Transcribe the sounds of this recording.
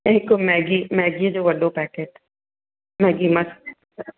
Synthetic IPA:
eːkomɛːɡimɛːɡied͡ʒoʋɐɖopɛːkeːʈ | mɛːɡimɐse

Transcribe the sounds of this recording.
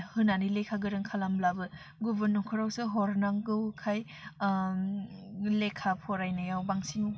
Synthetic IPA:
hɯnanilekʰaɡɯɾɯŋkʰalamlabɯ | ɡubɯnɔŋkʰɯɾawsɯɦɔɾnaŋɡɯwkʰaj | lekʰapʰɔɾajnɯjawbaŋsiŋu

